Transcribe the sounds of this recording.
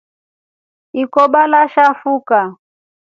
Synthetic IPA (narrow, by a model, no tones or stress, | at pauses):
ikɔɓalaʃafuka